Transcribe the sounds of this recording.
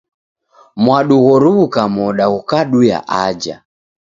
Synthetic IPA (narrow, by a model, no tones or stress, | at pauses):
mwaɗuɣɔɾuβukamɔɗaɣukaɗuja̰ʔad͡ʒa̰